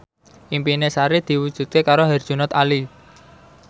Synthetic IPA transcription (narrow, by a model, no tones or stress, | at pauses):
ʔimpinesaɾed̪̥i̤wud̥ʒ̥ṳt̪̚kekaɾoɦɛr̥ʒ̥ṳnɔt̪ali